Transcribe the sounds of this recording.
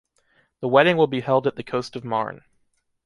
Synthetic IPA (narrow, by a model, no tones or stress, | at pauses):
ðəwɛɾɪ̃ŋwəlˠbihɛlˠdɨt̪̚ðɨkʰoʊstʌvmɑ̰ɹn